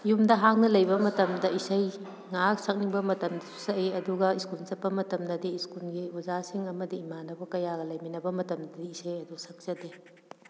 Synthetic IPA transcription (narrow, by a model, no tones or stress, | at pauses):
jumdɐɦaŋnɐlɐjbɐmɐtɐmdɐisɐj | ŋaksɐk̚niŋbɐmɐtɐmdɐsu̥sɐeɐduɡɐiskult͡ʃɐt̚pːɐmɐtɐmdɐdiːskulɡiuzasiŋɐmɐdiːmanɐbɐkɐjaɡɐlɐjminɐbɐmɐtɐmdɐdiisɐjɐdusɐk̚sɐde